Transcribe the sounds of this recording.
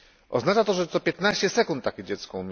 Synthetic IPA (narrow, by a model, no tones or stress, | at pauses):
ʔɔ̰znat͡ʂat̪ɔʐɛt̪ɔpʲjɛt̪naɕt͡ɕɛsɛkunt̪ːakʲid͡ʑɛt̪skɔumʲ